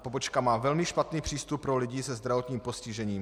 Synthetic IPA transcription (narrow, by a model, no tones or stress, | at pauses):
po̞bot͡ʃkamaːvɛlmɪʃpat̪niːpr̥iːst̪up̚ːɾolɪɟiːsɛzd̪ɾavo̞t̪ɲiːmpo̞scɪʒɛɲiːm